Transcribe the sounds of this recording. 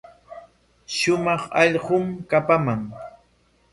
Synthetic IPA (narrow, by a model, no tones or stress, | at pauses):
ʃʊmɑχɑ̰ʎɢʊmkapamaŋ